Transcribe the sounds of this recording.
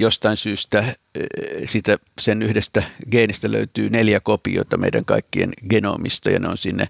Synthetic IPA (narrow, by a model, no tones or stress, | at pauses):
jost̪ɑinsyːst̪æ | siːt̪æ | senyhdest̪æɡeːnist̪ælø̰yt̪yːneljækopioit̪ɑmḛiɾæŋkɑ̰ikːiḛnɡeno̰mist̪ɑjɑ̰neonsinːḛ